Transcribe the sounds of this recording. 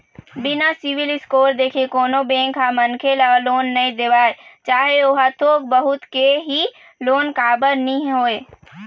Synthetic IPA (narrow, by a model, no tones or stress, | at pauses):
binasiʋilɪskoːɾd̪eːkʰekoːnobẽŋkɦamənkʰelɔloːnːəĩd̪eʋaːet͡ʃaːɦeoɦat̪ʰoːk̚bəɦʊt̪keɦi | loːnkaːbəɾniɦoːe